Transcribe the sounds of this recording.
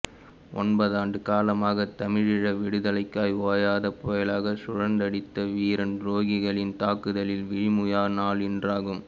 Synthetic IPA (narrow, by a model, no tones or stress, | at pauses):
ʔɔ̰nbɐðaːɳɖɯkaːlɐmaːɣɐt̪ɐmɪɻɪɻɐʋɪɽɯðɐlɐɪkːaːjoːjaːðɐpoːjɐlaːɣɐsʊɻɐnd̪ɐɽɪt̪ːɐʋiːɾɐnɾoːɣɪɣɐɭɪnt̪aːkɯðɐlɪlʋɪɻɪmʊjaːnaːlɪndraːɣɯm